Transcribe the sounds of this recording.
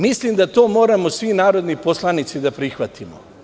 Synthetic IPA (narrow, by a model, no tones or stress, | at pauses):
mislimd̪at̪o̞ːmo̞ːɾamosʋinaːɾo̞d̪nipo̞slˠanit̪sid̪apɾixʋat̪imo̰